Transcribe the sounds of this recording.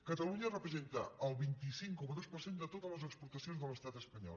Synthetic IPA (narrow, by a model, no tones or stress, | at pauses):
kət̪əluɲərəpɾəzent̪əːlˠβint̪isiŋkɔməðospərsend̪ət̪ot̪ələzəkspuɾt̪əsionzðələst̪at̪əspəɲɔ̰l